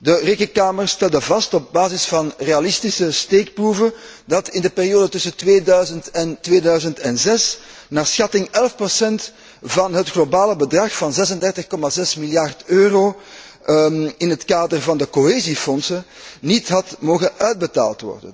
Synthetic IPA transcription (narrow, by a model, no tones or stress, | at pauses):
dəreːkənkaːmərstɛlˠdəvɑstɔb̚baːzɪsfɑnreːalɪstisəsteːkpruvəndɑtɪndəpeːrijoːdətʏsətʋeːdœɥzəntɛntʋeːdœɥzəntɛnzɛsnaːrsxɑtɪŋɛlfprosɛnt | vɑnɦətxlobaːləbədrɑxfɑnzɛsəndɛrtəxkɔmazɛsmiljɑrtøːroː | ɪnɦətkaːdərvɑndəkoɦeːzifɔnsənnitɦɑtmoːɣəœɥd̚bəta̰ːlˠtʋɔ̰rdə̰n